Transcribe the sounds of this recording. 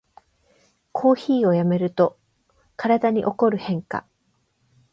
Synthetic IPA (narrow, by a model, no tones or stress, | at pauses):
kʰo̞ːçiːo̞jame̞ɾɯ̟t̪o̞ | kaɾad̪aɲ̟iʔo̞ko̞ɾɯ̟hẽ̞ŋka̰